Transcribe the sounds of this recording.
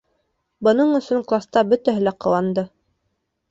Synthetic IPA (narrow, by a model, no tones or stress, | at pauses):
bɤ̆nɤɴɵ̆sɵŋklˠast̪ɑbɵt̪æɦɘlæqɤ̆wɑnd̪ɤ